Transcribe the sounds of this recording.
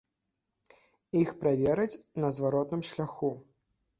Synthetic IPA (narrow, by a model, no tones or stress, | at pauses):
ixpɾavʲɛɾɐt͡sʲnɐzvaɾɔt̪nɨmʃlʲaxu